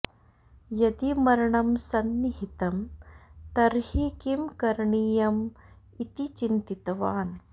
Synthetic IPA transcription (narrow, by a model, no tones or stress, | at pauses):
jɐd̪imɐɾɐɳɐmsɐnːiɦit̪ɐmt̪ɐɾhikimkɐɾɳiːjɐm | it̪it͡ʃint̪it̪ɐʋaːn